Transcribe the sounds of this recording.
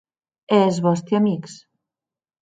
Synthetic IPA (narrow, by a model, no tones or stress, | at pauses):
ezβɔst̪jiamiks